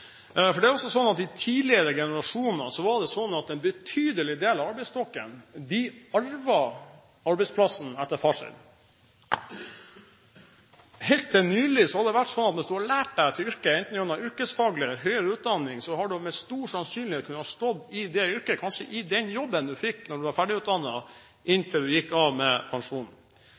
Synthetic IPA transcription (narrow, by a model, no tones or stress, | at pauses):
fɔɖɛæɾɔsɔsɔnːɑt̪ɪt̪ʰiːlɪəɾəɡɛnəɾɑʂuːnnəsɔʋɑɾɖ̪ɛsɔnːɑt̪ɛnbət̪ʰyːd̪əlɪd̪eːlɑʋɑɾbɛɪst̪ʰɔkːə̰nd̪ɪɑɾʋɑ | ɑɾbɛɪspʰlɑsn̩ɛt̪ːəɾfɑʂə̰n | hɛlt̪̚d̪ɛnyːlɪsɔhɑd̪ɛʋæʈsɔnːɑt̪mɛnsd̪ʉhɑɾɭæːʈ̚d̪æɪt̪ʰɪʏɾkəɪnt̪n̩junɑʏɾkəsfɑːɡləɦœʏəɾəʉːt̪̚d̪ɑnːɪŋsɔɦɑɖʉmɛst̪uːʂɑnsyːnlɪhet̪kʰʉnːəɑʂt̪ɔd̪ːɪd̪ɛʏɾkəkʰɑnʂəʔɪd̪ɛnjɔbːənd̪ʉfɪkːnɔɖʉʋɑɾfæɖɪʉːt̪̚d̪ɑnːɑ | ʔɪnt̪ʰɪld̪ʉjɪkːɑʋmɛpʰɑnʂuːnn̩